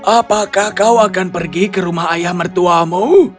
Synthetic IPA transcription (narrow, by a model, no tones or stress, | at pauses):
ʔapakahkawakanpərɡikəɾumaɦajahmərt̪uamu